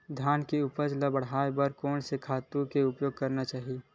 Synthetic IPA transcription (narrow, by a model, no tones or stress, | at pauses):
d̪ʱjaːnkeʊpəd͡ʒlabəɽ̤aːebəɾkɔːnsekʰaːt̪ukeʊpjoːɡ̚kəɾnat͡ʃaːɦie